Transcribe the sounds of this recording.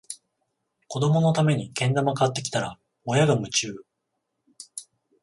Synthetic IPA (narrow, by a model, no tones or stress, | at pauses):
ko̞d̪o̞mo̞no̞t̪ame̞ɲ̟ikẽ̞nd̪amakat̪ːe̞kʲi̥t̪aɾa | ojaɡamɯ̟t͡ɕɨː